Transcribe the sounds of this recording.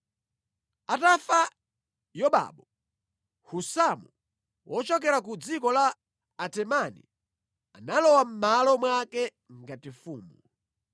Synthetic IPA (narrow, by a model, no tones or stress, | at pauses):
atafa | jɔɓa̰ɓɔ | husamu | wɔt͡ʃɔk̬ɛɾakud͡zikɔlaː | tɛmanḭ | analɔwam̩malɔmwakɛ | ŋɡatifuːmu